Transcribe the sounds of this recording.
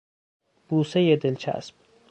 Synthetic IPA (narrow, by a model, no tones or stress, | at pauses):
b̥uːsejed̪elt͡ʃʰæ̰sb̥̚